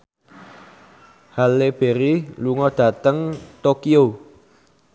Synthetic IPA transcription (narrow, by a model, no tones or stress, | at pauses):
haleb̥e̤ɾiluŋɔd̪̥ä̤t̪əŋt̪okio